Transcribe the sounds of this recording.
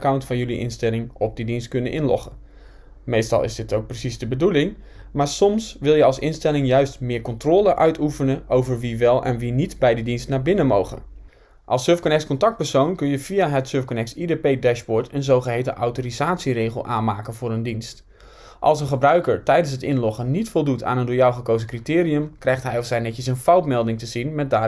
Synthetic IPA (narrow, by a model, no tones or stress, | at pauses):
kawntfɑnjɵliʔɪ̰nstɛlˠɪŋɔb̚didinst̚kɵnənʔɪnlɔ̰χə | mejstɑ̰lˠɪ̰zdɪtowk̚prəsizdəbədulɪŋ | maːɹsɔmsʋɪlˠjəɑlˠsɪnstɛlɪŋjœɥstmɪːɹkɔntroːləʔœɥtʰufənəʔowvəɹʋiʋɛlˠʔɛ̰nʋinitbɛjdidinstnaːɹbɪnəmowχə̰n | ʔɑlˠsːøɹfkɔnɛk̚skɔntɑk̚t̚pəɹsownkɵnjəv̥ijaɦətsøːɹfkonɛk̚sidepejdɛʃbɔɹtʰənzowχəɦejtənʔa̰wtoːrizaːtsirejχəlˠʔaːnmaːkənvʊːɾəndinst | ʔɑ̰lˠsənχəbrœɥkəɹtɛjdənsɦətɪnlɔχənitfɔlˠdutʰa̰ːnəndʊːɹjawχəkowzəkritɪːɾiəmkrɛjχtɦɛjɔfsɛjnɛtəsənfɑwtmɛlˠdɪŋtəzinmɛt̚daː